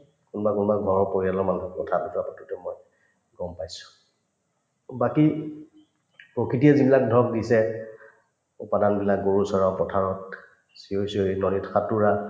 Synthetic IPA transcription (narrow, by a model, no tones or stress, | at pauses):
kunbakunbaɡʱɔɹɔpoɹialɔɹmanuɦɔkɔtʰadɔtapɔtutɛmɔj | ɡɔmpajsʊ̥ | baki | pɹokʰitijɛzibilak̚dʱɔk̚disɛ | ṵpadanbilakɡoɹusɔɹapɹɔtʰaɹɔt̚ | siojsonɔlitkʰatuɹa